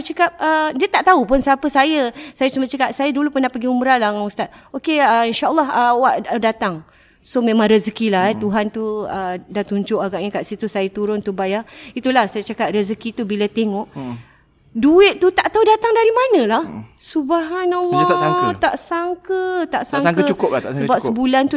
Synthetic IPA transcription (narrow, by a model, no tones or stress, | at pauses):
t͡ʃəkap̚ədiət̪aʔt̪aupʊnsapəsajəsajət͡ʃumat͡ʃəkap̚sajədulupənahpəɡiuməɾanlaŋaust̪at̪̚okeəinʃaʔlˠːɔɦəwaʔdat̪aŋ | somẽmãŋɾəzəkilaɦɛt̪uɦant̪uədat̪uɲd͡ʒʊʔaɡaʔɲə̃kaʔsit̪usajət̪uɾʊnt̪ubajait̪ulahsajət͡ʃakat̪̚rəzəkit̪ubilat̪eŋɔʔ | duɪt̪̚t̪ut̪aʔt̪audat̪aŋdaɾimanə̃lahsubaɦanalɔaaŋt̪aʔsaŋkət̪aʔsaŋkət͡ʃukʊpsəbap̚səbulant̪u